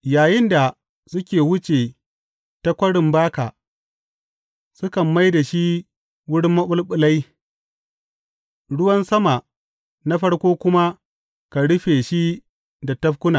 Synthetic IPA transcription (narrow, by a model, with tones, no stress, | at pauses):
jaː˨jɪ˦nda˨ | sʊ˦kʲeː˨wʊ˦t͡ʃe˨ | ta˦kʷɐ˦ɽɪ˨mbaː˦ka˨ | sʊ˦kɐ˨mːa˦jda˨ʃi˦ | wʊ˦ɽɪ˦mːɐ˦ɓʊ˦lɓʊ˨la˦j | ɽʊ˦wɐ˦nsɐ˦ma˨ | na˦ɸɐ˦ɽkʷoː˦kʷʊ˦ma˦ | ka˨ɽʊ˦ɸeː˨ʃi˦ | da˨tɐ˦ɸkʷʊ˦na˨